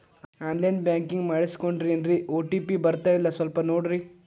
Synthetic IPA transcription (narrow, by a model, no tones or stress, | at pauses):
aːnlɐjnbjaːŋkiŋɡmaːɽiskoɳɖɾiɐnɖɾiʔoːʈipibɐɾt̪aːjilːɐsʋɐlpɐnoːɽɾi